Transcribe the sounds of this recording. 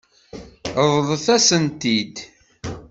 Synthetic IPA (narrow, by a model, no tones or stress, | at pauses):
ðˤðˤθæsənt̪id̪